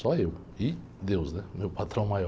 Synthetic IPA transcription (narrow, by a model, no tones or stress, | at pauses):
sɔew | ɪ | d̪ewznɛʊmewpat̪ɾɐ̃w̃majɔ